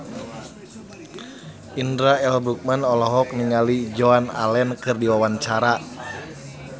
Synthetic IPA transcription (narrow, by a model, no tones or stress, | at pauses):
indɾaɛlbɾuk̚manɔlɔɦɔk̚niŋalid͡ʒoana̰lɛnkɨrdiwawant͡ʃaɾa